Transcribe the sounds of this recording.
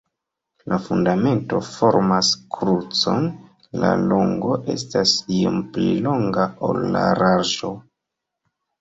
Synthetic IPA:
lʔafundame̞nto̞fo̞ɾmaskɾut͡so̞n | la̰loŋɡo̞ʔe̞̰stasiomplilo̞ŋɡao̞̰lːa̰ɾaʒo̞

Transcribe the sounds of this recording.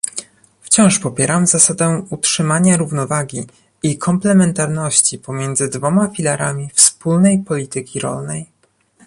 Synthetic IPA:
ft͡ɕɔ̃w̃ʂpɔpʲjɛɾamzasad̪ɛutʂɘmaɲaɾuvnɔvaɡʲi | ikʰɔmplɛmɛnt̪aɾnɔɕt͡ɕipɔmʲjɛnd̪zɘd̪vɔmafʲilaɾamʲifspulnɛjpɔlʲit̪ɘkʲiɾɔ̰lnɛj

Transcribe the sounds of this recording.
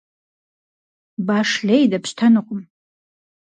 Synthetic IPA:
baːʂɬejdɐpʰɕtʰanɨqʷʼʊm

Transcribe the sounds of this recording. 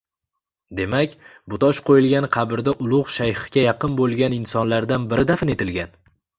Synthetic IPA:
d̪e̞makʲbʊt̪ɒʃqʰojɪlɡʲanqʰɑbɪɾd̪aʔʊlˠʊʁʃajhɪ̥ɡʲajɑqɨnbolˠɡʲanɪnsɒnlaɾd̪anbɪɾɪd̪afɪne̞t̪ʰɪlɡʲan

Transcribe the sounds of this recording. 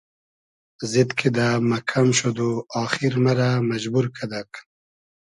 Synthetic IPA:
zid̪kʰid̪amakʰamʃod̪oɑːxiɾmaɾamad͡ʒbuɾkʰad̪ak

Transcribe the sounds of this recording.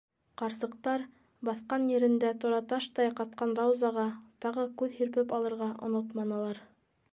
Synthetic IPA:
qɑɾsɤ̆qt̪ɑɾ | bɑθqɑnjɘ̆ɾɘ̆nd̪æt̪ŏɾɑt̪ɑʃt̪ɑjqɑt̪̚qɑnrawzɑʁɑt̪ɑʁɤkʉðhiɾpɘpɑlˠɤ̆ɾʁɑʔŏ̰not̪mɑnɤ̆lˠɑɾ

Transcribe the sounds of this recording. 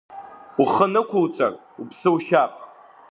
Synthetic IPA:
uχənɨkʷʰʊlt͡sʼa̰rʼ | upʰsɨuʃapʼ

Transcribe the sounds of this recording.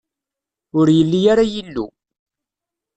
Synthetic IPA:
ʊɾjəlːijaɾajəlːṵ

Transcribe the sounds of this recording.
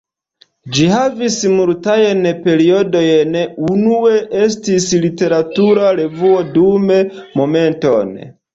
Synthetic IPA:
d͡ʒihavismultajenpe̞ɾio̞do̞jnunue̞ʔe̞stislite̞ɾatuɾaɾe̞vuo̞dumemo̞me̞nto̞̰n

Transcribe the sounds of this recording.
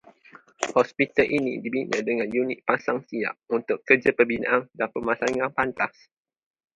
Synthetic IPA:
hɔspit̪əlʔinḭdibinə̰dəŋãnjunɪt̪̚pasaŋsia̰ʔ̚unt̪ʊkːəd͡ʒapəbina̰ʔandanpəmasaŋãnpant̪as

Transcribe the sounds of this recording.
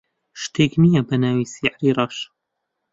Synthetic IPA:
ʃt̪eːknijɐbɐnaːwiːsiʕɾiːɾˤɑːʃ

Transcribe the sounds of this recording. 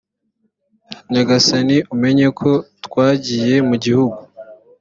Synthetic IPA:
ɲaɡasaniʔume̞ɲe̞kʰo̞twaːɟije̞muɟihuɡu

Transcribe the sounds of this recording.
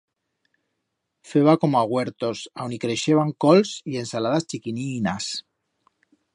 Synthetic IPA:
fe̞βako̞moaɣ̞we̞ɾt̪o̞sawnikɾe̞ʃe̞βaŋko̞lsie̞nsalaðast͡ʃikininas

